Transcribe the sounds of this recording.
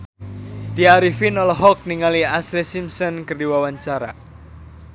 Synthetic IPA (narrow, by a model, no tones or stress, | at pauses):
d̪iaɾifinɔlɔɦɔk̚niŋaliaslesimsɔnkərdiwawaɲt͡ʃaɾa̰